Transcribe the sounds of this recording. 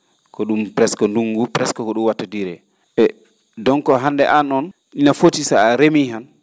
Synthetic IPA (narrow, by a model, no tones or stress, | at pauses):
kɔɗumpɾɛskɔnduŋɡupɾɛskɔkɔɗumwatːadiɾɛ | ɓɛ | dɔŋkɔɦandɛʔanɔn | ɗinafotisaːɾemiɦan